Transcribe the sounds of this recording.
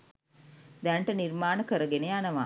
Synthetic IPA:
d̪ɛɳʈənirmaːnəkəɾəɡenejanəʋa

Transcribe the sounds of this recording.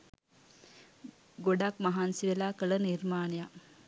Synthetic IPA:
ɡoɖakmaɦansiʋelaːkələniɾmaːnija

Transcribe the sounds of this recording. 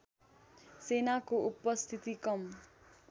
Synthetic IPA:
senakoʔupʌst̪ʰit̪ikʌm

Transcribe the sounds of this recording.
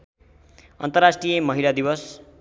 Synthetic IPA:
ʌnt̪ʌrasʈrijʌmʌɦilad̪ibʌs

